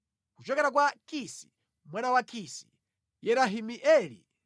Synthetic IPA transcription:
kut͡ʃɔkɛɾak̬wakisi̥ | mwanawakʰisi̥ | jɛɾaɦimiʔɛːlḭ

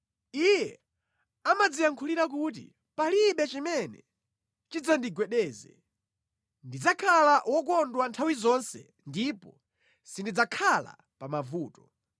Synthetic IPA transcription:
ijɛ | amad͡zijaŋkʰuliɾak̬ut̬ḭ | paliɓɛt͡ʃimɛnɛ | t͡ʃid͡zandiɡwɛɗɛːzɛ̰ | ndid͡zakʰalaʔwɔk̬ɔndwantʰawizɔnsɛ | ndipɔ | sindid͡zakʰala̰ | pamavuːtɔ̥

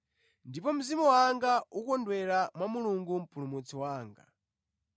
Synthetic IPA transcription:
ndipɔm̩zimɔwaŋɡaukɔndwɛɾamwamuluŋɡum̩pulumut͡sɔwaːŋɡa̰

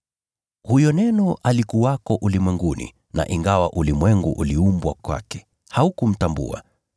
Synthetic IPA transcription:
hujɔnɛnɔʔalikuwakɔʔulimwɛŋɡunḭ | na̰ʔiŋɡawaʔulimwɛŋɡuʔuliumbwakwa̰kɛ̥ | haukum̩tambṵa̰

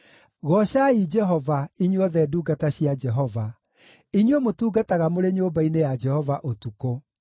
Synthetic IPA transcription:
ɣɔɕaid͡ʒɛɦɔvaiɲwɔðɛduːɡataɕiad͡ʒɛɦɔva | iɲwɔmotuːɡataɣamoɾeɲoːbainejad͡ʒɛhɔvaʔotuko

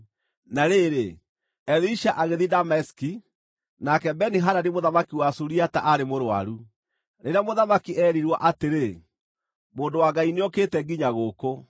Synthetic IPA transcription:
naɾeɾe | ɛɾiʃaʔaɣeðidamɛski | nakɛbɛniɦaɾanemoðamakiwasuɾiata̰ʔaɾemoɾwa̰ɾu | ɾeɾeamoðamakiɛːɾiɾwaʔateɾe | moːndowaɡaineɔkeːtɛɡiɲaɣoːko

